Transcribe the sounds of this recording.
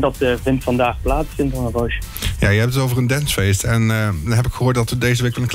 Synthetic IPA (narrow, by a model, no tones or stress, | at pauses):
dɑtəvɪntfɑndaːχplaːtsfɪntɔnənroʃə | ja̰ːjəɦɛp̚ətətowvərəndɛnsfejstʰɛndnɦɛpɪkχəɦoːɹtdɑtədejzəʋeɪkʋɛlˠənkl